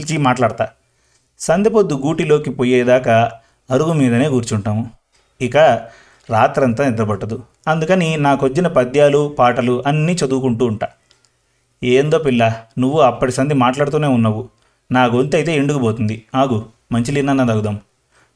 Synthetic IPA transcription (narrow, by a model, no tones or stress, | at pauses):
lt͡ʃimaːʈlaːɽt̪aː | sɐnd̪ipod̪ːuɡuːʈilo̞ːkipoːjeːd̪aːkɐ | ɐɾuɡumiːd̪ɐne̞ːɡuːɾt͡ʃuɳʈaːmu | ikɐ | ɾaːt̪ɾɐnt̪ɐnɛd̪ɾɐbɐʈːɐd̪u | ɐnd̪ukɐninaːkʋɐd͡ʒːinɐpɐd̪jaːlupaːʈɐluʔɐnːiːt͡ʃɐd̪uːkuɳʈuːɳʈaː | eːnd̪o̞ːpilːɐnuʋːuɐpːɐʈisɐnd̪imaːʈlaːɽut̪̬uːne̞ːunːɐʋu | naːɡo̞nt̪ɐjt̪e̞ːiɳɖuɡuboːt̪und̪inaːɡu | mɐɲt͡ʃilinːɐnːɐd̪ɐɡud̪aːmu